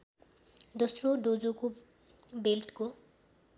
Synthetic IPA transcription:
d̪ʌsroɖod͡zoko | belʈko

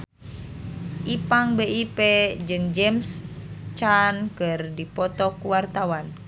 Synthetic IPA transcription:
ʔipaŋbeʔiped͡ʒɨŋd͡ʒɛmst͡ʃankɨrdipɔt̪ɔkuwart̪awan

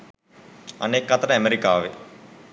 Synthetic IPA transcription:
a̰nekːɐt̪əɾəæmeɾikaːʋḛ

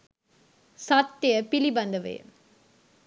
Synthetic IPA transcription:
sɐt̪ːɪjɐpɪlibɐnd̪ɐʋḛː

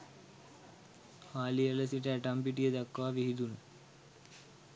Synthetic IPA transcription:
haːlijɐlɐsiʈːɐɐʈaːmpiʈ̬ːijɐd̪ɐkːʋaːʋiɦid̪un

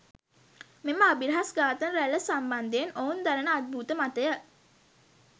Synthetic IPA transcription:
meməabiɾɦasɡaːt̪ənɾæləsamband̪ejnound̪aɾənəad̪̚bʱuːt̪əmat̪əjə

